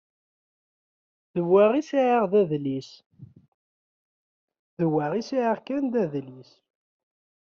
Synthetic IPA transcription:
ðəwːæʁisiʕaʁðæðlis | ðəwæʁisiʕaʁkænd̪æðlis

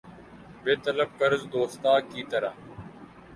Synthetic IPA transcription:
beːt̪ələb̚kəɾzd̪oːst̪aːkiːt̪əɾaː

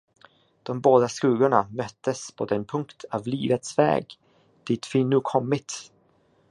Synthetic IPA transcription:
d̪̥ɔmboːd̪askʉːɡʊɳamœt̪ːəspʰɔd̪ɛnpʰɵŋkt̪ʰavliːvət̪svɛ̰ːɡ | d̪̥ɪt̪fɪnːʉːkʰɔmːɪt̪

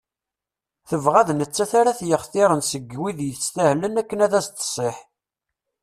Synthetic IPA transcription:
θəvʁæðnət͡sːæθaɾaθjəχθiɾˤənsəɡːwiðjəθst̪æhlənækːənæðæst̪ə̥sˤeħ

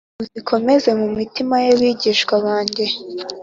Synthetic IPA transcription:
uzikʰo̞me̞ze̞mumitimajeβiɟiːʃkwaβaːɲɟe̞

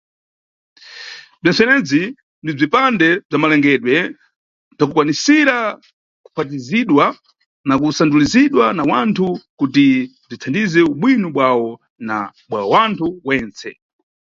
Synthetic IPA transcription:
b͡ʐɛnt͡sɛnɛd͡zi | ndib͡ʐipandɛb͡ʐamalɛŋɡɛɗwɛ | b͡ʐakukwanisiɾa | ku̥pʰat̬iziɗwa | nakusanduliziɗwanawantʰukuti | b͡ʐit͡sʰandizɛuɓwinuɓwawɔ | naɓwawantʰuwɛːnt͡sɛ̰

